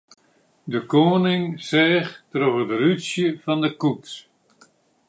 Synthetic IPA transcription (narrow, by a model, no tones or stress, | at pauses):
dəkoːnɪŋsɛːχtrɔvədərysjəfɑndəkups